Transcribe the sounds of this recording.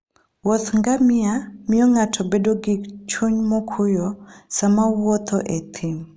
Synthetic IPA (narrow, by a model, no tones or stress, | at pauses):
wɔt̪ŋɡamɪamɪɔŋatʰɔbedoɡikt͡ʃuɲmɔkʰʊjɔsamawɔt̪ʰɔʔet̪ʰim